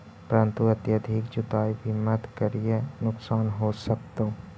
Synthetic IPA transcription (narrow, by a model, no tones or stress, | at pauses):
pəɾə̃nt̪uɐt̪jəd̪ʱikd͡ʒʊd̪aːibʱimət̪kəɾijənʊksaːnɦoːsək̚t̪o